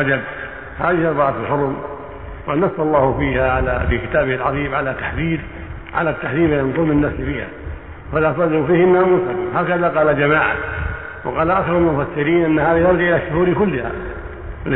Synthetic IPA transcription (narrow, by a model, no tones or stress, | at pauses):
ad͡ʒab | haːðɪhɑɾˤbɑʕat̪ɪlħʊɾˤm | wanɑsːɑlˤːɑːhʊfiːhaʕala̰fikɪt̪aːbɪhɪlʕɑðˤiːmʕalat̪aħðiːd | ʕa̰lat̪ːaħðiːbaɪnt̪ˤuːmɪnːafsfiːha̰ | falaːsˤɑd̪ɪɾufiːhɪnːaːmuːsahaːkaðaqɑːlad͡ʒamaːʕa̰ | wɑqɑːlaʔaxɪɾalmʊfasːɪɾiːnʔɪnːahaːðijɑɾˤɡiʔɪlaʃːʊhuːɾkʊlːɪha̰